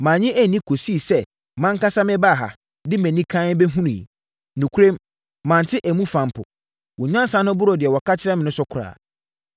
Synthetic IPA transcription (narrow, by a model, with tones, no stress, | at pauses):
mãː˨ɲɪ̃˦ʔæ˦˨nĩ˦kʰo˨si˦˨sɛ˦ | mã˦ŋ˦ka˦sa˦mɪ̃˦ba˦˨ɦa˨ | dɪ˦mæ̃˨nĩ˦kʰã˦n˦bɛ˦ɦũ˦nṵ̃˨ | nũ˨kʰu˦ɾẽ˦mː | ã˨n˨tʰɪ˦ʔæ˨mũ˦fã˨mpʰʊ̰˨ | wʊ˨ɲã˦n˦sã˨˦nʊ̃˦bʊ˦ɾɔ˨dɪ˨ɛ˨wɔ˨ka˦t͡ɕʰɪ˦ɾɛ˦mɪ̃˨nʊ̃˦sʊ˦kʰʊ˨ɾa̰ː˨